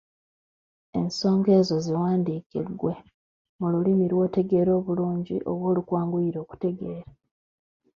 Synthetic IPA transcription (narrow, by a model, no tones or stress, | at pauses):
e̞nso̞ːŋɡe̞ːzo̞ziwaːndiːkiɡwe̞ | mululimiɾwo̞ːte̞ɡe̞ːɾo̞ːβuluːɲɟiʔo̰βwo̞ːlukwaːŋɡuiɾo̞ːku̥te̞ɡe̞ːɾa